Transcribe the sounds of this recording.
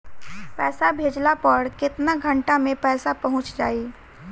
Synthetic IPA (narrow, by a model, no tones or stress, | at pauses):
pɛːsabʱeːd͡ʒlapɐɾkɪt̪naɡʱɐ̃ɳʈamẽpɛːsapɐɦʊ̃t͡ʃd͡ʒaːiː